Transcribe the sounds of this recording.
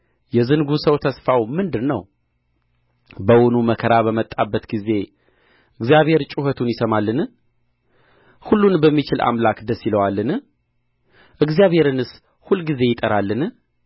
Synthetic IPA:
jɛzɨnɡusəwt̪ʰəsfawmɨnd̪ɨnnəw | bəwɔnuməkʰəɾaβəmət̪ʼːabːət̪ɡize̞ | ʔɨɡzijaβhe̞ɾt͡ʃʼuhət̪ʰunjɪsəmalːɨn | hulːunbəmːit͡ʃɪlʔa̰mlakd̪əsːiləwalːɨn | ʔɨɡzijaβhe̞ɾɨnɨs | hulːɡize̞jɪt̪ʼəɾalːɨn

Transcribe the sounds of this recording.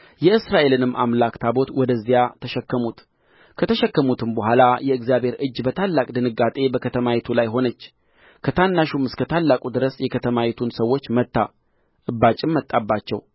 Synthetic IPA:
jɛɨsɾaʔe̞lɨnɨmːʔamlakt̪ʰabo̞t̪wɔd̪əzːijat̪ʰəʃɛkːəmut̪ | kʰət̪ʰəʃɛkːəmut̪ʰɨmbəɦʷalajɛɨɡzjabe̞ɾɨd͡ʒːbət̪ʰalːakʼd̪ɨnɨɡat̪ʼe̞bəkʰət̪ʰəmawet̪ʰulajɦo̞nət͡ʃː | kʰət̪ʰanːaʃumɨskʰət̪ʰalːakʼud̪ɨɾəsjɛkʰət̪ʰəmawet̪ʰunsəwːo̞t͡ʃːmət̪ːa | ʔɨbːat͡ʃʼɪmːət̪ʼːabːat͡ʃːɛw

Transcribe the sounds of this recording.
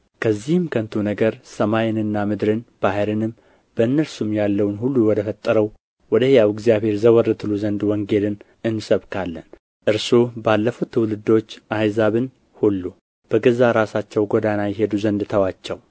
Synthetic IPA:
kʰəzːihɨmkʰənt̪ʰunəɡəɾsəmajɪnɨnːamɨd̪ɾɨnb̥aɦəɾɨnɨm | b̥əɨnːəlsumjalːəwnhulːuwɔd̪əfət̪ʼːəɾəw | wɔd̪əhjawɪɡzijaβhe̞ɾzəwɔrːɨt̪ʰɨluzənd̪wɔŋɡe̞lɨn | ɨnːsəβkʰalːən | ʔɨɾsobalːəfut̪ʰːɨwlɨd̪o̞t͡ʃːʔajzaβɨn | hulːu | b̥əɡəzaɾasat͡ʃːɛwɡod̪anajɪɦe̞d̪uzənd̪t̪ʰəwat͡ʃːɛw

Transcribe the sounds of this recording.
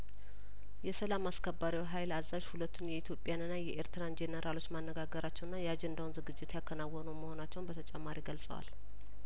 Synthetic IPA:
jɛsəlamaskʰəbːaɾiwɦajlazːaʒhulət̪ːunjɛit̪ʰjo̞pʼjanɨnːajɛʔeɾt̪ɨɾand͡ʒenəɾʔalo̞t͡ʃːmanːəɡaɡəɾat͡ʃːɛwɨnːajɛad͡ʒend̪awunzɨɡɨd͡ʒːɪt̪jakʰːənawːɔnəwməho̞nat͡ʃːɛwnbət̪ʰət͡ʃʼɛmːaɾiɡəlsʼə̰wa̰l

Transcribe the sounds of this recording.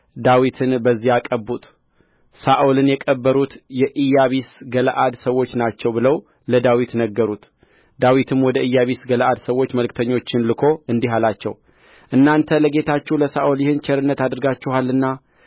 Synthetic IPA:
d̪awit̪ʰɨnbəzːihakʼəbːut̪ʼ | saʔolɨnjɛkʼəbːəɾut̪jɛʔɨjːaβisɡələʔad̪səwːo̞t͡ʃːnat͡ʃːɛwbɨləw | ləd̪awit̪nəɡːəɾut̪ | d̪awit̪ʰɨmwɔd̪əʔɨjːaβisɡələʔad̪səwo̞t͡ʃːməlkt̪ʰəɲːo̞t͡ʃːɪnlɨkʰo̞ɨnd̪iɦalat͡ʃːɛ̰w | ʔɨnːant̪ʰələɡe̞t̪ʰat͡ʃːɛwləsaʔoljɪhɨnt͡ʃʰɛɾɨnːət̪ad̪ɨɾɡat͡ʃːɛhalːɨnːa

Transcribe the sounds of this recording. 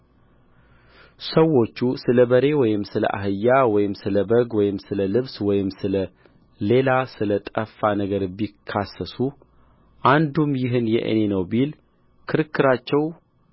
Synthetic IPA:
səwːo̞t͡ʃːusɨləbəɾe̞wɔjɪmːsɨlə̰ʔa̰ɦɨjːawɔjɪmsɨləbəɡwɔjɪmsɨləlɨβswɔjɪmsɨlə | le̞lasɨlət̪ʼəfanəɡəɾbikʰːasːəsu | ʔand̪umjɪɦɨnjɛ̰ʔɨ̰ne̞nəwbil | kʰɨɾɨkːɨɾat͡ʃːɛw

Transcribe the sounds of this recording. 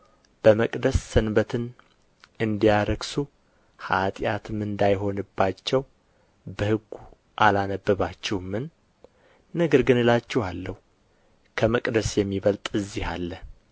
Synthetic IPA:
b̥əməkʼd̪əsːɨnbət̪ʰɨn | ɨnd̪ijaɾəɡsu | hat̪ʼjat̪ʰɨmɨnd̪ajɦo̞nɨbːat͡ʃːɛw | bəhɨɡːu | ʔalanəbːəβat͡ʃːɛwmːɨnː | əɡəɾɡɨnɨlat͡ʃːɛhalːəhu | kʰəməkʼd̪əsjɛmːiβəlt̪ʼɨzːiha̰lːə

